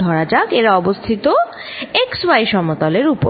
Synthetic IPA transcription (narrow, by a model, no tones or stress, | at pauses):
ɔɾad͡ʑakeɾaɔbost̪ʰit̪o | ekswajʃɔmot̪ɔleɾupo̰